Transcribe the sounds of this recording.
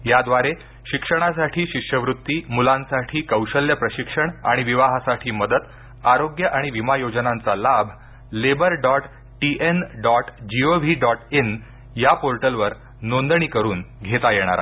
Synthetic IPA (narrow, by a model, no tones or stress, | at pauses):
jad̪ʋaɾe | ɕikʂəɽ̃asaʈʰiːɕikʂjəʋɾut̪ːiːmulãnsaʈʰiːkəwɕəljəpɾəɕikʂəɳa̰ɽ̃iʋiʋaɦasaʈʰiːməd̪ət̪ | aɾoɡjəʔaɽ̃iʋimajod͡znant͡salabʱ | lebəɾɖɔʈ | ʈiʔenɖɔʈd͡ʑioʋiɖɔʈen | japoɾʈəlʋəɾ | nond̪ɳiːkəɾuːnɡʱet̪ajeɽ̃a̰ɾa̰